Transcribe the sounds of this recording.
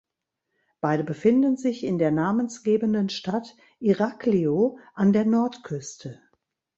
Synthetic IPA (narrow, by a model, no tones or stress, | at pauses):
b̥aɪdəbəfɪndənzɪçɪndeːɐnaːmənsɡ̥eːbəndənʃtat | ʔiʁaklioʔandeːɐnɔɐtkʰʏstʰə